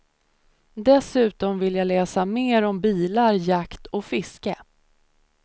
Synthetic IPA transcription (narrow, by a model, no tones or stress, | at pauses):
d̪ɛsʉ̟ːt̪ɔmvɪljaːlɛːsameːɾɔmbiːlaɾjakt̪ʰɔfɪskə